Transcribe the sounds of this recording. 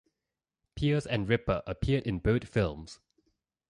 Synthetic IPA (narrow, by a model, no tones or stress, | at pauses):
pʰiəzɛ̃nɹɪpəʔəpʰiədɪ̃nboʊtfɪlˠms